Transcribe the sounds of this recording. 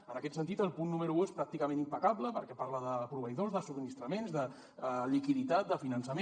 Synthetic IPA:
ənəkɛt̪sənt̪it̪əlˠpunːuməɾuespɾak̚t̪ikəmẽnimpəkabləpəɾkɛpaɾləðəpɾuβəjðozðəsuminist̪ɾəmenzðə | ʎikiðit̪at̪̚d̪əfinənsəm

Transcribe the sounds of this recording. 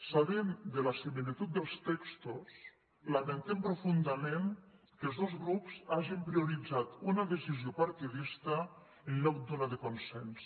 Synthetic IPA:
saβemd̪elasimilit̪ut̪̚d̪elˠst̪ɛkst̪os | lament̪empɾofund̪ameŋ | kəlˠzðozɣɾupsaʒimpɾioɾid͡zat̪unaðesizjopaɾt̪iðist̪a | enʎɔkd̪onaðekonsɛns

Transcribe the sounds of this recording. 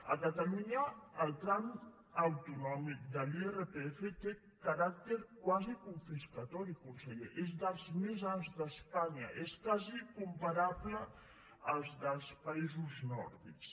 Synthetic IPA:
a̰kat̪aluɲaːlˠt̪ɾan | awt̪unɔmik̚d̪əlierepeefet̪e | kaɾak̚t̪eɾkwazikuɱfiskat̪ɔɾikunseʎeʔezd̪əlˠzmezanzðəspaɲa̰ʔeskazikumpaɾaβlə | əlˠzðəlˠspaizuznɔ̰ɾðḭks

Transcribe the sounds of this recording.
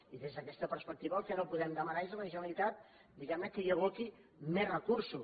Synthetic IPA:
iðezðəkɛst̪əpəɾspək̚t̪iβəːlˠkənopuðɛmd̪əmənaezələʒənəlit̪at̪̚ | d̪iɣɛmnəkəjəβ̞oki | mezrəkuɾsu

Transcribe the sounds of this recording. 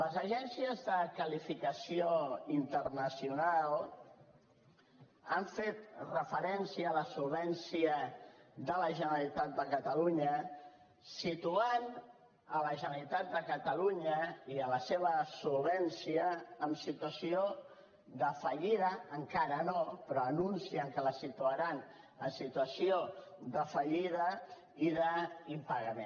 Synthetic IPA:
ləzəʒɛnsiəzðəkəlifikəsioint̪ərnəsiunalˠ | aɱfet̪rəfəɾɛnsiəːləsulˠβɛnsiəðələʒənəəlit̪at̪̚d̪əkət̪əluɲə | sit̪uan | ələʒənəlit̪at̪̚d̪əkət̪əluɲəiələseβ̞əsulˠβɛnsiəːmsit̪uəsio | ðəfəʎiðəəŋkaɾənopɾɔənunsiəŋkələsit̪uəɾan | əmsit̪uəsioðəfəʎiðə | iðəimpəɣəme

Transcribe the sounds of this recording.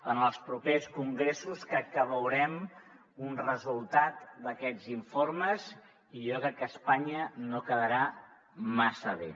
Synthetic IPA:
ənəlˠspɾupeskuŋɡɾesuskɾɛk̚kːəβəwɾɛm | unrəzulˠt̪at̪d̪əkɛd͡ziɱforməz | iʒɔkɾɛkːəspaɲənokəðəɾa | masəβḛ

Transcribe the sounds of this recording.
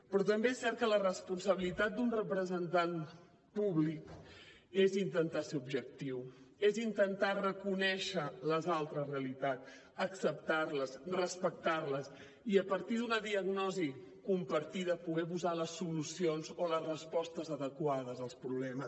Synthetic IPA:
pɾɔt̪əmbeesːɛɾt̪̚kələrəspunsəβ̞ilit̪at̪̚d̪unrəpɾəzənt̪an | puβlik | ezint̪ənt̪aseubʒək̚t̪iwezint̪ənt̪arəkunɛʃələzalˠt̪ɾəzreəlit̪at̪ | əksəp̚t̪arləzrəspək̚t̪arləs | iəpəɾt̪iðunəðiəɣnɔzi | kumpəɾt̪iðəpuɣɛpuzaləsːulusionzoləzrəspɔst̪əzəðəkwaðəzəlˠspɾuβlɛməs

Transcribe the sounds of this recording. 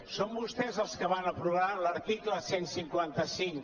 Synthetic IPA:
sombust̪ɛzəlˠskəβanəpɾuβaləɾt̪ikləsensiŋkwant̪əsiŋ

